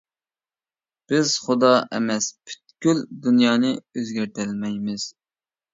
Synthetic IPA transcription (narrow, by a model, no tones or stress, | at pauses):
b̥ɪzχʊd̪ɑʔɛ̰mɛspʰy̥t̪kʲyld̪unjɑːnɨøzɡʲæɾt̪ɪlmɛjmɪz̥